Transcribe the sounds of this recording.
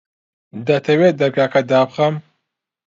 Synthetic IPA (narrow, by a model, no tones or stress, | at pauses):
d̪ɐt̪ʰewed̪ɐɾɡakʰad̪aːpχɐm